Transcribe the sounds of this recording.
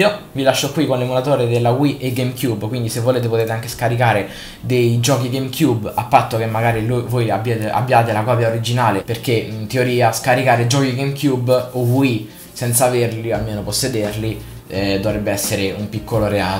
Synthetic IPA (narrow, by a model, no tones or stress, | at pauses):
ovilaʃːokːwikonlemulat̪oːɾed̪elːaɡwiʔeɡemkjubːkwind̪isevːoleːt̪epot̪eːt̪eaŋkeskaɾikaːɾe | d̪ejd͡ʒɔːk̬iɡejmkʰjubːapːat̪ːok̟emːaɡaːɾilovojabjeːt̪ea̰bːjaːt̪elakɔːpjaoɾid͡ʒinaːleperk̟et̪eoɾiːaskaɾikaːɾed͡ʒɔːkiɡemkjubːoɡwi | sɛnt̪saverlialmeːnoposːed̪erli | d̪ovɾɛbːeɛsːeɾeumpikʰːoloɾeaː